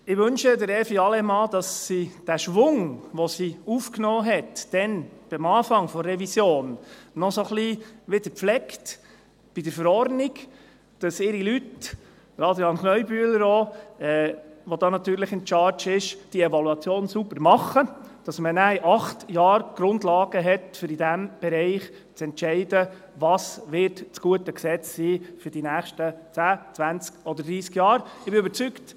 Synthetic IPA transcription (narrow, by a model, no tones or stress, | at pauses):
ɪʋɵnʃədəɾɛfiɑlɛmɑːd̥ɑsːid̥æʃʋʊŋʋɔsiufknɔːɦɛtd̥ɛnb̥ɪmɑːfɑŋfɔrːɛʋisjoːnːɔsoχliʋɪd̥əɾpflɛkt | b̥id̥əɾfəɾɔɾdniɡ | d̥ɑsɪɾilyt | ɾɑdjɑnχnœʏbyːələɾoɛːʋod̥̪ɑːnɑt̪yːɾləχɪnt͡ʃɑːɾt͡ʃɪʃd̥iɛvɑluɑt͡sjoːnsubəɾmɑχːəd̥ɑsmənæjʔɑχtjɑːɾɡ̥ɾʊnd̪lɑːɡ̥əɦɛt̪fʏɾidæmb̥ɛɾɛɪχ | t͡sɛntt͡ʃɛɪdə | ʋɑːsʋɪɾtt͡sɡ̥uətəksɛt͡ssiːfyɾdinæːχʃtət͡sæːt͡sʋænt͡skɔd̪əɾdɾiːskjɑːɾɪbɪøbəɾt͡sykt